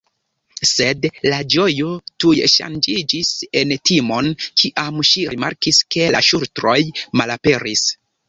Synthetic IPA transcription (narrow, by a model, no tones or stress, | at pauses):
se̞dlad͡ʒo̞jo̞tujʃa̰nd͡ʒid͡ʒise̞ntimo̞nkʰiʔamʃiɾima̰ɾkiske̞la̰ʃuɾtɾo̞jmalape̞ɾis